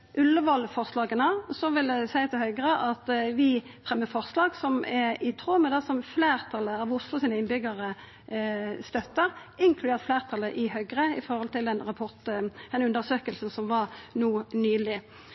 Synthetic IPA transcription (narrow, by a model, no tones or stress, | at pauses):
ʔʉlːəʋɑlfɔʁslɑːɡənɑsɔʋɪld̪ɛsæɪt̪ʰɪlhœʏɡɾəʔɑt̪ʋɪfʁɛmːəfɔʁslɑːɡsɔmɛɾɪt̪ʰʁoːməd̪ɛsɔmfleːʁt̪ʰɑlːəɑʋʊslʊsiːnəɪnbʏɡəʁə | st̪œt̪ːəɾ | ɪŋkʰlʉd̪eːʁt̪fleːʁt̪ʰɑlːəʔɪhœʏɡʁəɪfɔɾhɔlt̪ʰɪlɛnʁɑpʰɔʁt̪ɛnʉnd̪əʁsøːkəlsn̩sɔmʋɑɾnuːnyːlɪ